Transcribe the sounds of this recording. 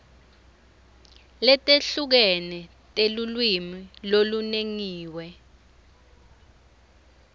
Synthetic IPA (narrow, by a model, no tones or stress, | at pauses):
lɛtʼeɬuk̬ɛnɛ | tʼelulwimiloluneŋiːwɛ